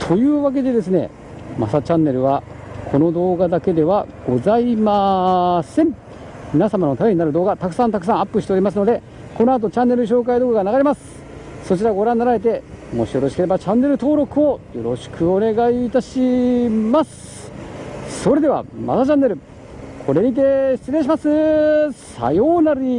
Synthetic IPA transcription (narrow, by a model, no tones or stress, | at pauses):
t̪ʰo̞jɯ̟ːβak̬e̞d̪e̞d̪e̞sɨne̞̰ | ma̰sat͡ɕãnːe̞ɾɯ̟βa | kʰo̞no̞d̪o̞ːɡad̪ake̞d̪e̞βaɡ̥o̞zaimasẽ̞ɴ | mʲinasamano̞t̪abeɲinaɾɯ̟d̪o̞ːɡat̪akɯ̟̥sãnt̪akɯ̟̥s̬ãɰ̃apːɯɕi̥t̪eoɾʲimas̬ɨno̞d̪e̞ | ko̞no̞at̪̬o̞t͡ɕãnːe̞ɾɯ̟ɕ̬o̞ːkaid̪oːɡaɡanaɡaɾʲimasɨ̥ | so̞t͡ɕiɾaɡo̞ɾãnːaɾaɾe̞t̪e̞mo̞̰ɕijo̞ɾo̞ɕi̥ke̞ɾe̞bat͡ɕãnːe̞ɾɯ̟t̪o̞ːɾo̞kɯ̟o̞jo̞ɾo̞ɕi̥kʰɯ̟o̞ne̞ɡaiːt̪aɕimasɨ̥ | so̞ɾe̞d̪e̞βa̰ma̰sat͡ɕãnːe̞ɾɯ̟ | kʰo̞ɾe̞ɲ̟it̪eɕi̥t͡sɨɾẽɕ̬imasɨsa̰jo̞ːnaɾi